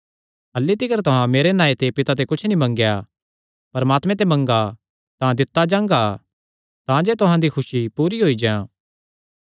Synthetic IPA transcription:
ɐlːit̪ɪkəɾt̪ʊɦãmeːɾenãːet̪epɪt̪at̪ekʊt͡ʃʰnĩmɐ̃ŋɡja | pɐɾmaːt̪mẽt̪̬emɐ̃ŋɡa | t̪ãd̪ɪt̪ːad͡ʒãːŋɡa | t̪ãd͡ʒeːt̪ʊɦãd̪ikʰʊʃipuːɾiɦoːid͡ʒãː

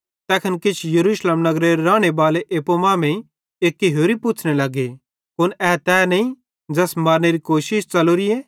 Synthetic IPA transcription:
t̪ɛːkʰənkɪt͡ʃʰjɐɾuːʃleːmnɐɡɾeɾɾãːɽ̃ebaːleʔeːpomãːmɛ̃i | eːkːiɦoːɾipʊt͡ʃʰnelɐɡe | pʊnɛːt̪ɛnɐ̃ĩ | d͡ʒɐsmɐɾneɾikoːʃɪʃt͡ʃɐloɾie

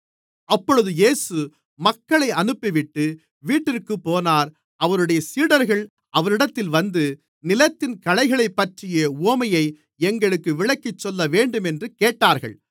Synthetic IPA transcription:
ɐpːɔɻɯðɯjeːsɯ | mɐkːɐɭɐɪɐnɯpːɪʋɪʈːɯ | ʋiːʈːɪɾkːɯpːoːnaːɾ | ʔɐʋɐɾɯɽɐjɐsiːɽɐɾɣɐɭ | ʔɐʋɐɾɪɽɐt̪ːɪlʋɐnd̪ɯ | nɪlɐt̪ːɪnkɐlɐɪɣɐɭɐɪpːɐʈrɪjɐuɔmɐjɐɪ | ɛŋɡɐɭɯkːɯʋɪɭɐkːɪt͡ʃːɔlːɐʋeːɳɖɯmɛndrɯkeːʈːaːɾɣɐ̰ɭ

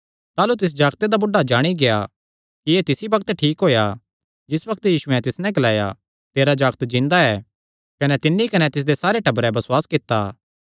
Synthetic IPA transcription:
t̪aːlut̪̬ɪs̬d͡ʒaːɡt̪ed̪abʊɖːad͡ʒaːɽ̃iɡea | kijet̪ɪsibɐk̚t̪ʈʰiːkɦoːja | d͡ʒɪsbɐkt̪jiːʃuɛ̃t̪ɪsnɛ̃ɡɐlaːja̰ | t̪eːɾad͡ʒaːɡt̪d͡ʒɪ̃nd̪aɛː | kɐnɛt̪ɪnːikɐnɛt̪ɪs̬d̪esaːɾeʈɐbɾɛbɐswaːskɪt̪ːaː

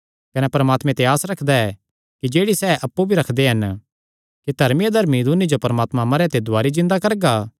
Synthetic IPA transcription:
kɐnɛpɐɾɐmaːt̪mẽt̪eaːsɾɐkʰd̪aɛ | kid͡ʒeːɽisɛːʔɐpːubʱiɾɐkʰd̪eɦɐn | kid̪ʱɐɾmijad̪ʱɐɾmid̪unid͡ʒopɐɾmaːt̪mãmɐɾet̪ed̪ʱʊaːɾid͡ʒɪ̃nd̪akɐɾɡa

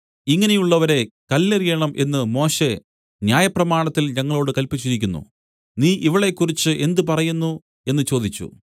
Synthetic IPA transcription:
iŋːɐnejuɭːɐʋɐɾe̞kɐlːerijɐɳɐmʔe̞nːɨmo̞ːɕe̞ | njaːjɐprɐmaːɳɐt̪ːilɲɐŋːɐɭoːɽɨkɐlpit͡ɕːiɾikʲːunːṵ | niːʔiʋiɭe̞kːurit͡ɕːɨʔe̞nd̪upɐrɐjunːu | e̞nːɨt͡ɕo̞ːd̪it͡ɕːṵ

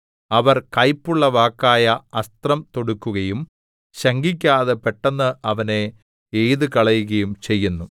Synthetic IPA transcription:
ɐʋɐrkɐjpːuɭːɐʋaːkːaːjɐɐst̪rɐmt̪o̞ɽukːuɣɐjum | ɕɐŋɡikʲːaːðepeʈːɐnːɨʔɐʋɐne̞ | ejðɨkɐɭɐjuɣɐjumt͡ɕe̞jːunːu

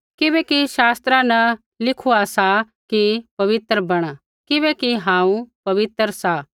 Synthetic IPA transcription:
kɪbɛkiʃaːst̪ɾanɐ | lɪkʰuasa | kipɐʋɪt̪ɾəbɐɽ̃a | kɪbɛkiɦãːũpɐʋɪt̪ɾsa

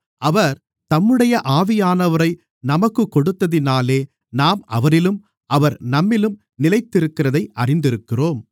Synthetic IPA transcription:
ʔɐʋɐɾ | t̪ɐmːɯɽɐjɐʔaːʋɪjaːnɐʋɐɾɐɪ | nɐmɐkːɯkːɔɽɯt̪ːɐðɪnaːleː | naːmʔɐ̰ʋɐɾɪlɯm | ʔɐʋɐɾnɐmːɪlɯm | nɪlɐɪt̪ːɪɾɯkːɪrɐðɐɪʔɐrɪnd̪ɪɾɯkːɪroːm

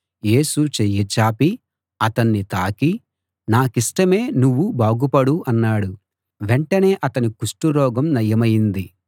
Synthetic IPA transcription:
je̞ːsut͡ʃejet͡ʃaːpi | ɐt̪ɐnːit̪aːki | naːkisʈɐme̞ːnuʋːubaːɡupɐɽuʔɐnːaːɽu | ʋeɳʈɐne̞ːʔɐt̪ɐnikuʂʈuɾɔːɡɐmnɐjɐmɐjind̪i

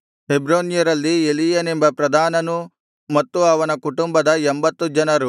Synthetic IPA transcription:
ɦebɾoːnjɐɾɐlːielijɐnembɐpɾɐd̪ʱaːnɐnu | mɐt̪ːuɐʋɐnɐkuʈumbɐd̪ɐembɐt̪ːud͡ʒɐnɐɾu

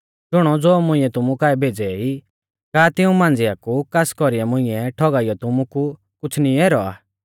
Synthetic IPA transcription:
d͡ʒʊɽ̃ɔd͡zoːmʊ̃ɪ̃ɛt̪ʊmukaːɛbʱeːd͡zɛi | kaːt̪ɪũmãːnd͡zɪakukaskɔɾiamʊ̃ɪ̃ɛʈʰɔɡaːɪjɔt̪ʊmuku | kʊt͡sʰniɛːɾɔa̰ː

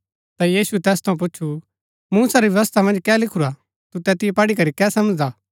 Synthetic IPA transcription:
t̪ajiːsuɛt̪ɛːst̪ʰɐũp̬ʊːt͡ʃʰu | muːsaɾiʋjɐʋɐs̬t̪ʰamɐ̃nd͡ʒkɛːlɪkʰuɾa | t̪ut̪ɛt̪ɪjepɐɽikɐɾikɛːsɐməd͡ʒd̪aː

